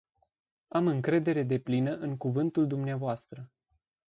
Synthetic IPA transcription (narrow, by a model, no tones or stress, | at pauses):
amɨŋkɾe̞d̪e̞ɾe̞d̪e̞plinəʔɨŋkuvɨnt̪uld̪umneavoast̪ɾə